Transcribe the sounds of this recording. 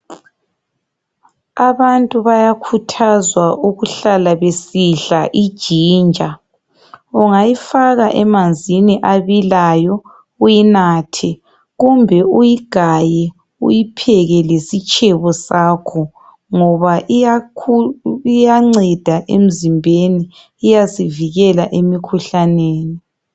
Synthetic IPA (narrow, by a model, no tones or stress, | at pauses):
aβantʼuβajakʰutʰazwaʔuɣuɬalaβesiɬaʔid̥ʒ̥ʱiːnd͡ʒʱa | uŋajifaɣaʔɛmand͡zʱiniʔaβilajɔ | ujinaːtʰɛ | ɣumbʱɛujiɡ̥ʱajɛ | ṵjipʰɛɣɛlesit͡ʃʼʰɛβɔsaːkʰɔ | ŋɔβaʔiauijaŋ͡ǀɛd̥ʱaʔḛm̩zimbʱeniː | jasiviɣɛlaʔemikʰuɬaneːni